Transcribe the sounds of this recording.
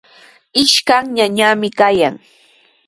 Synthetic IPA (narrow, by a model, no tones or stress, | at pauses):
ɪʃkaŋɲaɲamɪkajaŋ